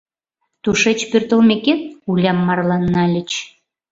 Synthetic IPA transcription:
t̪uʃet͡ɕpørt̪ə̆lmeket̪̚ulʲɑmːɑrlˠɑnːɑlʲə̆t͡ɕ

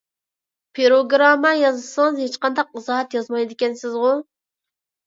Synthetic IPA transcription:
pʰeɾoɡɾɑmːɑjɑzɨsɨŋɨzhet͡ʃqɑnd̪ɑqɨzɑɦɛt̪jɑzmɑjd̪ɪkʲɛnsɪzʁʊ

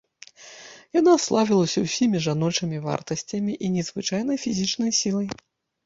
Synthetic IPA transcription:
janaslˠavʲilˠɐsʲɐwsʲimʲiʐanɔt͡ʂɨmʲiva̰rt̪ɐsʲt͡sʲɐmʲiʔinʲɛzvɨt͡ʂajn̪ɐjfʲizʲit͡ʂnɐjsʲilˠɐj

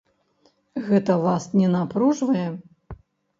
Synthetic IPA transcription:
ɣɛt̪ɐvasnʲɛnapɾuʐvɐjɛ

